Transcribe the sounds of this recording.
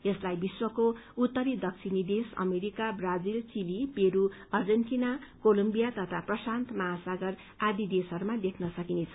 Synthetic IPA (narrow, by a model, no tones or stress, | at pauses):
eslajbiswʌkout̪ːʌɾid̪ʌksʰinid̪esʌ̰meɾikabrad͡zilt͡silipeɾuʌrd͡zenʈinakolombijat̪ʌt̪ʰaprʌsant̪mʌɦasaɡʌr | ad̪id̪esʌɾumad̪ekʰnʌsʌkinet͡sʰʌ